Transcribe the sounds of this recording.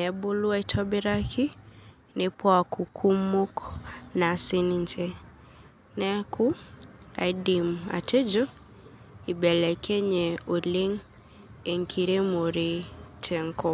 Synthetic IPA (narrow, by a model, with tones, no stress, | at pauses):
nɛ˨bo˦lu˦a˦i˦tʰɔ˦bɪ˦ɾa˦kʰi˦ | ne˨pʰɔ˦a˨ku˨kʰu˦mːo˦kna˨sɪ˦ni˦ɲt͡ʃe˦ | nɛ˦kʰʊ˦a̰˨i˦di˨ma̰˨tʰe˦d͡ʒo˦ | i˨bɛ˨lɛ˨kʰe˦ɲe˨o˨le˦ŋ | e˨ŋkʰi˨ɾe˦mo˨ɾe˨tʰe˨ŋ˦kɔ˦